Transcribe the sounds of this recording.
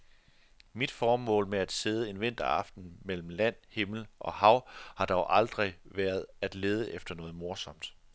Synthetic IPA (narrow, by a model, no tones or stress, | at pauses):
mid̥fɒːmɔ̰̽ːlmeæd̥seð̞ˠəe̝nʋe̝n̰d̥ɐɑ̈fd̥n̩mel̰m̩læn̰he̝ml̩ʔɒ̽hɑ̈ʊ̰hɑ̈d̥ɒʊʔɑ̈ld̥ʁiʋæːɐð̞ˠæd̥le̝ːð̞ˠəʔefd̥ɐnɔ̽ːð̩ˠmo̝ɐsɒ̽m̰d̥